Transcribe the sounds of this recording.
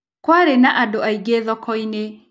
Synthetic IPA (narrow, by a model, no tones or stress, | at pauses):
kwaɾenaʔadoaiɡeðɔkʰɔine